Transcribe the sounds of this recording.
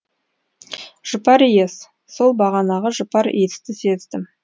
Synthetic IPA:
ʒ̥əpɑɾijes | so̞lˠbɑʁɑnɑʁəʒəpɑɾet̪ɪ̥st̪ɪsed̪ɪm

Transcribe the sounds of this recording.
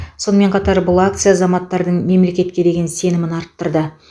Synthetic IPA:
so̞nəme̞ɴqʰɑt̪ɑɾbʊlˠakt̪sɨjaːzɑmɑt̪ːɑɾd̪əɴme̞mle̞kʲe̞t̪̚kʲe̞d̪e̞ɡʲe̞nse̞nɪmɪnɑɾt̪ːəɾd̪ə

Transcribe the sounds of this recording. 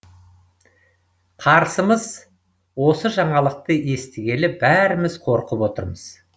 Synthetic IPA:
qʰɑɾsəməz | wo̞səʒɑɴɑlˠəq̚t̪əje̞st̪ɪɡʲe̞lɪbæɾɪmɪzqʰo̞ɾqəpwo̞t̪əɾməz̥

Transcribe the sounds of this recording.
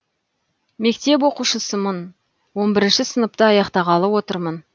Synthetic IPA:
me̞k̚t̪e̞p̬wo̞quʃəsəmən | wo̞nbɪɾɪnʃɪsənəp̚t̪əɑjɑqt̪ɑʁɑlˠəwo̞t̪əɾmən

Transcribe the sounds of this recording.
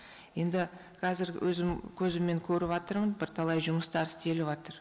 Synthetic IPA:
je̞nd̪ɪ | qʰɑzɪɾwʔɵ̰zɪmkʲʰɵzɪmːe̞ŋkʲʰɵɾɪβɑt̪əɾmənbɪɾt̪ʰɑlˠɑjʒʊməst̪ɑɾst̪ʰe̞lɪβɑt̪əɾ

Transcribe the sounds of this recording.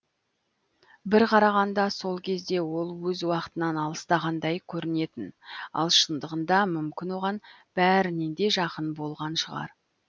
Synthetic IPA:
bɪɾqʰɑɾɑʁɑnd̪ɑso̞lˠkʲʰe̞zd̪e̞wo̞lˠwɵzwɑqə̥t̪ənɑnɑlˠəst̪ɑʁɑnd̪ɑjkʲʰɵɾɪne̞t̪ɪnɑ̰lˠʃənd̪əʁənd̪ɑmʏmkʲɪnwoʁɑn | b̥æɾɪnend̪e̞ʒɑqənbo̞lˠʁɑnʃəʁɑ̰ɾ

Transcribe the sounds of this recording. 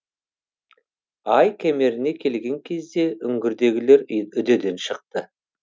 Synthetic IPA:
ɑjkʲʰæme̞ɾɪne̞kʲʰe̞lɡʲe̞ŋkʲʰe̞zd̪e̞ʔʏŋɡʲɪɾd̪e̞ɡʲɪle̞ɾʏd̪e̞d̪e̞nʃəq̚t̪ə

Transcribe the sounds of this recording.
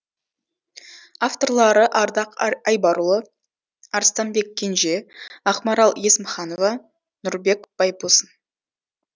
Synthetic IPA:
aft̪o̞rlˠɑɾəʔɑɾd̪ɑqɑjbɑɾulˠə | ɑɾst̪ɑnbe̞kʲʰːe̞nʒe̞ɑχmɑɾɑlˠje̞sməχɑno̞vɑ | nʊɾbe̞kb̥ɑjbusən

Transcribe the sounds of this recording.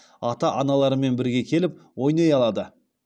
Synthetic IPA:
ɑt̪ɑʔɑnɑlˠɑɾəme̞nbɪɾɡʲe̞kʲʰe̞lɪp̚wo̞jnɑjɑlˠɑd̪ə

